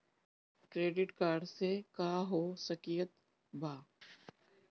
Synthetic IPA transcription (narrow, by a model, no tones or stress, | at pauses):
kɾeːɖɪʈkaːɾɖsekaːɦoːsɐkijət̪ | bʱaː